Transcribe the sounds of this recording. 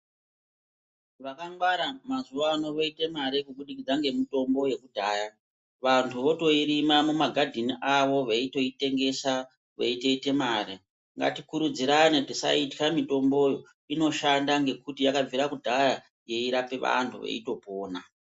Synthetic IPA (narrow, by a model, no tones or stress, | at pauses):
ʋakaŋɡwaɾamazuʋaːno̞ʋoite̞maɾekuɓuɗikid͡zaŋɡe̞mito̞mbo̞je̞kudʱaːja | ʋantʰuʋo̞to̞iɾimamumaɡʱadʱiniʔaʋo̞ʋeito̞ite̞ŋɡe̞sa | ʋḛite̞ite̞maːɾe | ŋɡa̰tikuɾud͡ziɾanekutisa̰itkamito̞mbo̞jo̞ | ino̞ʃandaŋɡe̞kutijakaviɾakudʱaja | je̞iɾape̞ʋa̰ntʰuʋḛḭto̞poːna